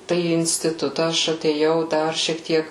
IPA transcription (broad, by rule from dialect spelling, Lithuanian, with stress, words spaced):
ˈtɐɪ iː ɪnʲsʲtʲɪˈtʊtɐ ˈɐʃ ɐtʲeːˈjɛʊ ˈdɐr ʃʲiɛk ˈtʲiɛk